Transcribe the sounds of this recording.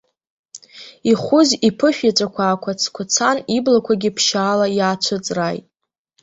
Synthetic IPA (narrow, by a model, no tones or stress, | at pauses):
iχʷʊzipʰɨʃᶣat͡ʃʷʼakʷʰaːkʷʰat͡sʰkʷʰat͡sʰaniblakʷʰaɡʲɪpʰʃaːlajaːt͡ʃʷʰɨt͡sʼrajtʼ